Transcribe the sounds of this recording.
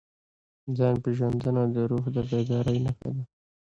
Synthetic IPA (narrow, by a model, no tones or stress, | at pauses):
zɑnpeʒand̪ənad̪əɾuxd̪əbad̪ɑɾəjnaxa̰d̪a